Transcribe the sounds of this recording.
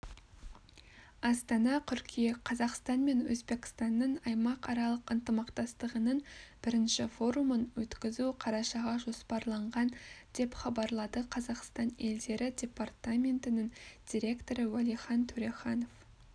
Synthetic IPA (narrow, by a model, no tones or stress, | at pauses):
ɑst̪ɑnɑt̪ʰʏɾkʲʰijɑqʰɑzɑqst̪ɑnme̞nwɵzbe̞kʲɪ̥st̪ɑnːəɴɑjmɑqɑɾɑlˠəqənt̪əmɑqt̪ɑst̪əʁənəɴb̥ɪɾɪnʃɪfo̞ɾumənwɵt̪kʲɪzuqʰɑɾɑʃɑʁɑʒo̞spɑɾlˠɑɴʁɑnd̪̥e̞pχɑbɑɾlˠɑd̪əqʰɑzɑqst̪ɑne̞ld̪e̞ɾɪd̪ʲe̞part̪amʲe̞nt̪ɪnɪŋd̪̥ʲiɾʲe̞kt̪o̞ɾəwælˠijχɑnt̪ʰʉɾeχɑno̞f